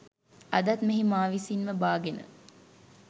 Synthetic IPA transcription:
ɐd̪ɐt̪meɦimaːʋisinməbaːɡenə̰

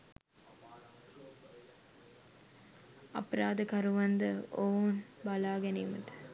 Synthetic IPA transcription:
ɐ̰pɾaːd̪əkɐɾuʋɐnd̪əoʋunbɐlaːɡɛnejməʈə̥

